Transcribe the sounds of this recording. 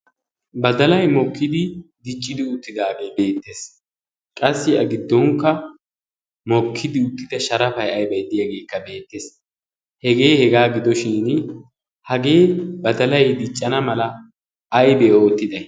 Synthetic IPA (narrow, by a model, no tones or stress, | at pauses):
bɐd̪ɐlɐjmɔkʰːɪd̪ɪd̪ɪt͡ʃʼːɪd̪ɪʊt̪ːɪd̪aːɡe̞be̞ːt̪ːeːs | kʼɐsːɪɐɡɪd̪ːɔŋkːɐ | mɔkʰːɪd̪ɪʊt̪ːɪt̪ɛʃɐɾɐfɐjɐjbɐjd̪ɪjɐɡe̞ːkːɐbe̞ːt̪ːeːs | hɛɡe̞ːhɛɡaːɡɪd̪ɔʃɪn | hɐɡe̞ːbɐd̪ɐlɐjd̪ɪt͡ʃʼːɐnɐmɐlɐː | jbɛoːt̪ːɪd̪ɐj